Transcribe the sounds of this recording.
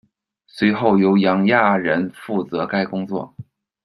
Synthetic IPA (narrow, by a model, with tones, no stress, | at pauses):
swe˧˥ɪxo˥˩ʊjo˧˥ʊjɑ˧˥ŋja˥˩ɻə˧˥nfu˥˩t͡sɤ˧˥ka˥ɪkʊ˥ŋt͡swɔ̰˥˩